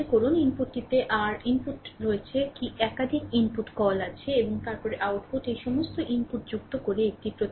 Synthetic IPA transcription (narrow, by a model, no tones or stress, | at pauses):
ekoɾuninpuʈːit̪eʔaɾinpuʈɾoet͡ɕʰekiɛkad̪ʱikinpuʈkɔlat͡ɕʰeeboŋt̪aɾpɔɾeʔawʈpuʈejʃɔmost̪oʔinpuʈ̚d͡ʑukt̪okoɾeek̚ʈipɾot̪